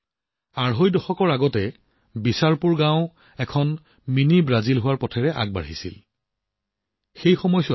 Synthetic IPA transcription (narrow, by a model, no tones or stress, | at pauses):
aɹɦojdɔxɔkɔɹaɡɔtɛ | bisaɹpuɹɡãʊ̃ | ɛkʰɔn | minibɹazilɦʊwaɹpɔtʰɛɹɛʔa̰ɡ̚ba̰ɹɦisḭl | xejxɔmɔjsɔ